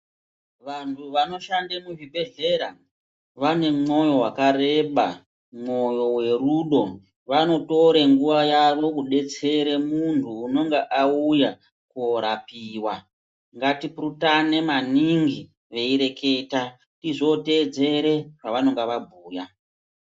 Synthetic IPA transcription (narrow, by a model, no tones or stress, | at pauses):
ʋantʰuʋano̞ʃandemuʐibʱe̞ɮe̞ɾa | ʋane̞mo̞jo̞wakare̞ɓa | mo̞jo̞we̞ɾuɗo̞ | ʋano̞to̞ɾeŋɡuʋajaʋo̞kuɗe̞t͡se̞ɾe̞muntʰuːno̞ŋɡeʔauja | kuoɾapiːwa | ŋɡatipurutanemaniŋɡi | ʋe̞iɾe̞ke̞ta | tiʐo̞te̞d͡ze̞ɾe̞paʋano̞ŋɡaʋabʱuːja